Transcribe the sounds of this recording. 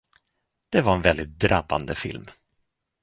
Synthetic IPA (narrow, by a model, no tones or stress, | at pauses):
d̪̥ɛvaɾɛnvɛld̪ɪt̪̚d̪ɾabːa̰nd̪əfɪ̰lm